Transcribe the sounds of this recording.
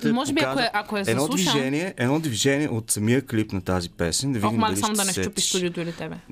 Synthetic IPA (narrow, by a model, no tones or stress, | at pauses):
mɔʒɛbiaaoɛʔakoɛzɛd̪ɔlˠuvʃiʒɛniɛʔɛd̪nɔd̪viʒɛniɛʔot̪sɐmiəklipnɐt̪azipɛsɛnd̪ɐvid̪immadɐlisamod̪ɐnɛt͡ʃupist̪ud̪iot̪ʊilit̪ɛbɛ